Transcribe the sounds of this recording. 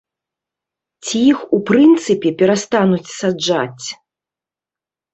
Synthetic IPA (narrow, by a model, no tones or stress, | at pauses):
t͡sʲijixupɾɨnt̪sɨpʲɛpʲɛɾast̪anut͡sʲsad͡ʐa̰t͡sʲ